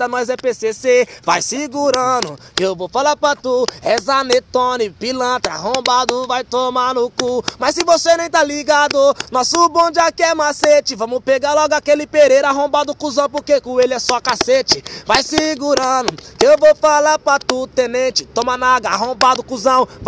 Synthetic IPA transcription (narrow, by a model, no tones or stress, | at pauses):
t̪ɐnɔjzɛpesesevajsiɡuɾɐ̃nʊkɪewvowfalapɾat̪uɛzanet̪õnɪpilɐ̃t̪ɾɐa̰ɦõbad̪ʊvajt̪omanʊkumɐssːɪvosenẽj̃t̪aliɡad̪ʊnɔsʊbõd͡ʒɪakɪɛmaset͡ʃɪvɐ̃mʊpeɡaɾlɔɡʊakelɪpeɾeɾaɦõbad̪ʊkuzɐ̃w̃poɾkekõelɪɛsɔakaset͡ʃɪvajsiɡuɾɐ̃nʊkɪewvowfalaɾpɾat̪ut̪ẽnẽt͡ʃɪt̪õmanaɡɐaɦõbad̪ʊkuzɐ̃w̃